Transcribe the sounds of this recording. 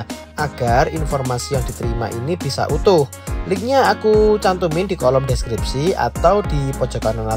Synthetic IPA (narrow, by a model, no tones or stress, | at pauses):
ʔaɡ̥arinfɔrmasijaŋd̥i̤t̪əɾima̰ʔinib̥isa̰ʔut̪ʊh | lɪk̚ɲaːkut͡ʃant̪umɪndikɔlɔmdeskɾip̚sia̰t̪awd̥ipɔd͡ʒ̥ɔ̤kanana